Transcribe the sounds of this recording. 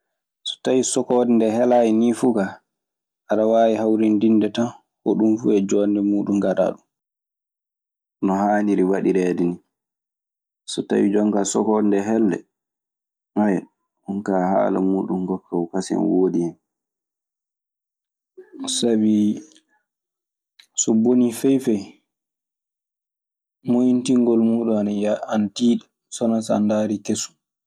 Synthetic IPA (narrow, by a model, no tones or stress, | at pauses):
sɔ̥tawisɔkɔːdndɛhɛlajinifuɡa | ʔaɗawaːjihawɾindinːdɛtan | kɔɗumfṵɛd͡ʒɔːndɛmuːɗumɡaɗa̰ːɗum | nɔhaːniɾiwaɗiɾɛːdini | sɔta̰wid͡ʒɔŋɡasɔkɔndɛɦɛlːɛ̰ | ʔɔjɛ | ʔunkaːha̰ːla̰muːɗumɡɔkːawkasɛ̰nwoːdiɛn | sabi | sɔbonifɛjfɛj | mojintiŋɡɔlmuːɗuanaantiːɗa | sɔnasa̰ndaɾikesu̥